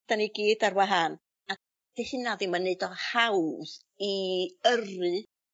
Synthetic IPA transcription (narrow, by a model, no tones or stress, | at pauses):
d̥aniɡiːdarwaɦan | a | d̥ehɪnaviːmaneɨdɔhawð | iərɨ